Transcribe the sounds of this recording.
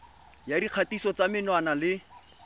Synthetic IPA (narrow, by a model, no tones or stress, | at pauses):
jadiq͡χʰatisɔt͡samɪnwanalɪ